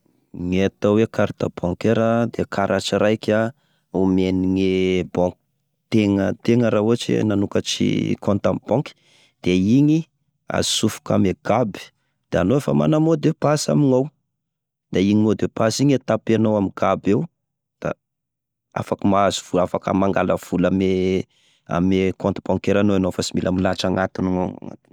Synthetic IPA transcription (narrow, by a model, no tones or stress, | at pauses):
ŋet̪awekaɾt̪a̰bɔ̃ŋkeɾad̪ekʰaɾʔat͡ʃiɾajkʲa | umeniŋebɔ̃ŋk | t̪eŋət̪eŋəɾauat͡ʃḛnanukət͡ʃḭkʰɔ̃nt̪ambɔ̃ki̥ | d̪̥eiɲi | a̰zi̥sufu̥ka̰meɡ̥abi̥ | d̪̥aanoefama̰namod̪epasa̰miŋaw | d̪̥aiɲimod̪ewpasiɲet̪apanowamiɡ̥abew | d̪̥a̰ | a̰fakəmaazivuafakə̰maŋɡaləv̥ulame | a̰mekɔ̃nt̪b̥ɔ̃ŋkeɾanoanofasimilʔamilaʈ͡ʂaŋat̪inaŋoŋa̰ŋa̰t̪i̥n